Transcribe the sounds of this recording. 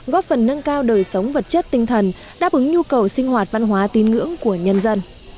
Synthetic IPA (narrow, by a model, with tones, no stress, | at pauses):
ɣɔ˦˥p̚fə˨˩nːə˧nkaː˧wɗəː˨˩jsə˨˦wŋ͡mvə˨˩t̚t͡ɕə˦˥t̚t̪ï˧˩ŋ̟t̪ʰə˨˩n | ɗa̰ː˦˥p̚ʔɨ˨˦ŋɲu˧kə˨˩wsï˧ŋ̟ɦwaː˨˩t̚va˧nɦwaː˨˦t̪i˨˦nŋɨ̰˧˥əŋku˧˩əɲə˧nzə˧n